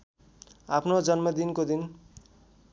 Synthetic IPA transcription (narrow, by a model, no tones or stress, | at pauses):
apʰnod͡zʌnmʌd̪inkod̪in